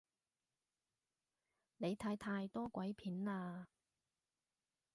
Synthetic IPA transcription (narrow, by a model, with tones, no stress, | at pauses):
ne˨˧jt̪ʰaː˧jt̪ʰaː˧jt̪ɔː˥kʷɐ˨˥jpʰiː˨˥nlaː˧